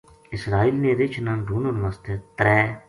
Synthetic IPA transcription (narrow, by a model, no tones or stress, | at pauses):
ɪsɾaːiːlnẽːɾet͡ʃʰnãːnɖʱuːnonʋast̪eːt̪ɾɛː